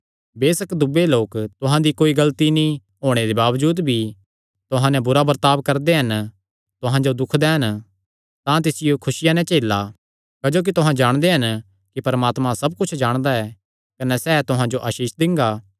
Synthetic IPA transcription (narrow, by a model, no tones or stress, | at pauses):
beːsɐkd̪ʊbeloːkt̪ʊɦãd̪ikoːiɡɐlt̪inĩ | ɦoːɽ̃ed̪ebaːʋd͡ʒuːd̪bʱi | t̪ʊɦãnɛ̃bʊɾabɐɾt̪aːbkɐɾd̪eɦɐn | t̪ʊɦãd͡ʒod̪ʊkʰd̪ɛɦɐn | t̪ãt̪̬ɪsɪjokʰʊsɪjanɛ̃t͡ʃeːla | kɐd͡ʒoːk̬it̪ʊɦãd͡ʒaːɽ̃d̪eɦɐn | kipɐɾmaːt̪mãsɐb̚kʊt͡ʃʰd͡ʒaːɽ̃d̪aɛː | kɐnɛsɛːt̪ʊɦãd͡ʒoʔɐʃiːʃd̪ɪ̃ŋɡaː